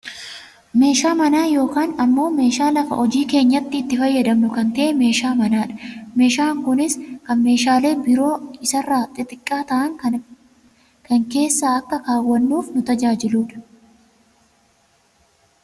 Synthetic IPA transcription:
me̞ːʃaːmɐnaːjo̞ːkaːnɐmːo̞ːme̞ːʃaːlɐfɐ̰ʔɔd͡ʒiːke̞ːɲːɐt̪ːɪːt̪ːɪfɐjːɐd̪ɐmnʊkɐnt̪ɐʔɛme̞ːʃaːmɐnaːᶑɐ̥me̞ːʃaːŋkʊnɪskɐnme̞ːʃaːle̞ːbɪɾo̞ːɪsɐrːaːt̪ʼːɪt̪ʼɪkʼːaːt̪ɐʔɐŋ | kɐŋke̞ːsːaːɐkːɐkaːwːɐnːuːfnʊt̪ɐd͡ʒaːd͡ʒɪluːᶑɐ̥

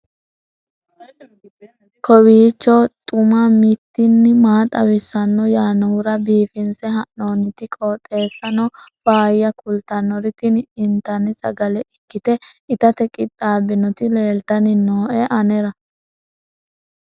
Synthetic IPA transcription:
kʰɔwiːt͡ʃːɔt̪ʼʊmɐmɪt̪ːɪnːɪmaːt̪ʼɐwɪsːɐnːɔjaːnɔʊɾɐbiːfɪnsɛɦɐnnoːnːɪt̪ɪkʼoːt̪ʼe̞ːsːɐnɔb̥aːjːɐkʰʊlt̪ɐnːɔɾɪt̪ɪnɪnt̪ɐnɪsɐ̰ɡɐlɛʔɪkːɪt̪ɛɪt̪ɐt̪ɛkʼɪt̪ʼːaːbɪnɔt̪ɪle̞ːlt̪ɐnɪnoːʔɛʔɐnɛɾɐ

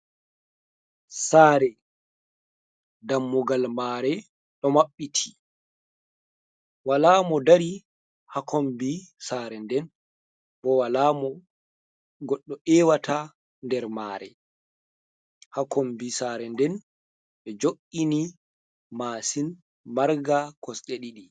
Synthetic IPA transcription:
saːɾɛ | damːuɡalmaːɾɛ | ɗɔmaɓːitʰi̥ | walaːmɔdaɾi | hakombisaːɾɛndɛn | bɔwalaːmɔ | ɡɔɗːɔʔɛːwata | ndɛɾmaːɾɛ̰ | hakombisaːɾɛndɛn | ɓɛd͡ʒoʔːini | maːsin | maɾɡakɔsɗeɗiɗi

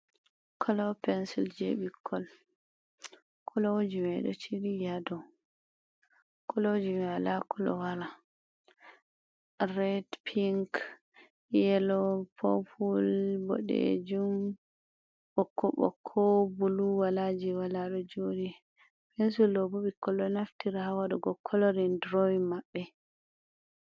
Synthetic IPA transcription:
kʰɔlɔpɛnsild͡ʒḛɓikʰːɔl | kʰɔlowod͡ʒimɛɗɔ̰t͡ʃiɾijadɔ | kɔlowd͡ʒimialakɔlɔ̰waɾa | ɾɛdpʰiŋk | jɛlɔpʰɔpʰulbɔ̰ɗɛ̰d͡ʒum | ɓɔkʰːɔ̰ɓɔ̰kʰːɔbuluwalad͡ʒiwalaɗɔd͡ʒoni | bɛnsulɔbɔɓikɔlɔnaftiɾahawaɗɔɡɔkʰːɔlɔɾindɾɔimabːɛ

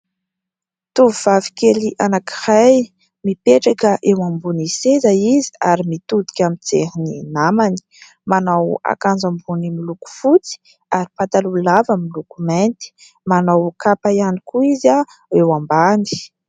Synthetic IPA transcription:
t̪uvuv̥avi̥keliʔanakiraj | mipeʈ͡ʂakəʔewambunisezaizi̥aɾimit̪ud̪i̥kʲamit͡sḛɦininamani̥ | manawa̰kand͡zambunimiluku̥fut͡si̥ | aɾipat̪alulavamilukument̪i̥ | manawkapajanikuiza | ewambani̥

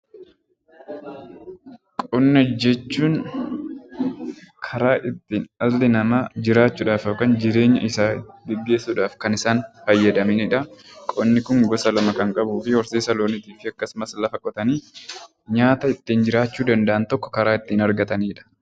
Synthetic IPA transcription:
kʼɔnːɐd͡ʒɛt͡ʃːuːn | kʰɐɾaːʔɪt̪ːiːnɐlːɪnɐmɐd͡ʒɪɾaːt͡ʃːuːᶑaːfoːkɐːnd͡ʒɪɾe̞ːɲːɐ̰ʔɪsaːbɪɡːe̞ːsːuːᶑaːfkɐnɪsaːnfɐjːɐd̪ɐminɪᶑɐkʼɔnːɪkʊŋɡɔsɐlɐmɐkɐŋkʼɐbuːfɪhɔɾseːsɐloːnɪt̪iːfɪɐkːɐsmɐslɐfɐkʼːɔt̪ɐniː | ɲaːt̪ɐɪt̪ːiːnd͡ʒɪɾaːt͡ʃːuːd̪ɐnd̪ɐʔɐnt̪ɔkːɔ̥kɐɾaːɪt̪ːiːnɐɾɡɐt̪ɐniːᶑɐ̥

